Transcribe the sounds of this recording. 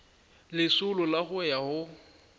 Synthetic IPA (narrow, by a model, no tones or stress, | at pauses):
lɪsʊlʊlaχʊjahʊ